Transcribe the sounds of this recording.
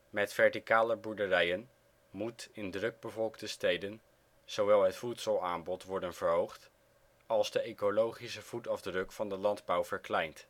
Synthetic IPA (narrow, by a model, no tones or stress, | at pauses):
mɛtfɛɹtikaːləbuɹdərɛjən | mutɪndrɵɡ̚bəvɔlˠkdəstejdən | z̥owʋɛlˠɦətfutsəlˠaːnbɔtʋɔɹdənv̥əɹɦowχt | ɑlˠzdəejkolowχisəv̥utɑvdrɵkfɑndəlɑndbʌwvəɹklɛjnt